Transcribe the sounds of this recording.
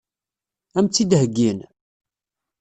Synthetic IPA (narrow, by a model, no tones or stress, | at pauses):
æmt͡sːid̪ɦəɡːin